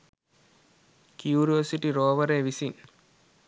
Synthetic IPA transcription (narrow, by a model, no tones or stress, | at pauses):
kjuːɾiʋɐsiʈiɾoːʋɐɾeːʋisin